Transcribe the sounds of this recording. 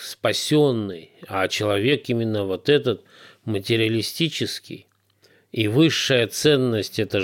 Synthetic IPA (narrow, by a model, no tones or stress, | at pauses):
spɐsʲonːɨjat͡ɕɪlˠɐvʲe̞kimʲɪnːəvot̪ɛt̪ət̪ | mətʲɪɾʲɪəlʲɪsʲtʲit͡ɕɪskʲɪ̰j | ivɨʂːəjət̪sɛnːəsʲtʲɛt̪ə